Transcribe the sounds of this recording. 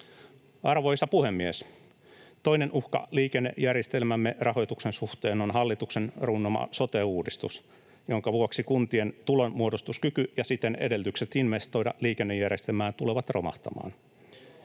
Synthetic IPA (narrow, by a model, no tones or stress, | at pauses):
ɑrʋo̞jsɑpuhe̞mːies | t̪o̞jnenʔuhkɑ̰liːkenːḛjærjest̪e̞lmæmːerɑho̞jt̪uksensuht̪e̞ːno̞nɦɑlːit̪uksenrunːomɑ̰so̞t̪eːuːdist̪ṵs | jo̞ŋkɑʋuoksikunt̪ie̞nt̪ulonmuodost̪uskykyjɑsit̪enḛde̞lt̪ykset̪inʋe̞st̪o̞jdɑ̰liːkenːejːærjest̪elmæːnt̪uleʋɑt̪ro̰mɑ̰ht̪ɑ̰mɑ̰ːn